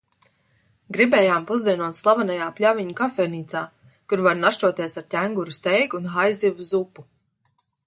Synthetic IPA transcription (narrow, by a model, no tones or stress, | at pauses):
ɡɾibɛːjaːmpuzd̪iɛnɔt̪slˠavanajaːplʲaviɲukafɛniːt̪saː | kuɾvaɾnaʃt͡ʃuɔt̪iɛsaɾt̪ʲæŋɡuɾust̪ɛjɡunxajzivuzupu